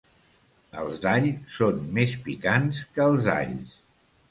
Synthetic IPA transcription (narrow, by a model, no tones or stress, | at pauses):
ə̰lˠzd̪aʎsonmespikanskəːlˠza̰ʎs